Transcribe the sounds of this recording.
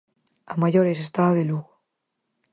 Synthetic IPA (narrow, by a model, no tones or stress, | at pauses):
amaʝoɾes̬est̪aːðeluɣo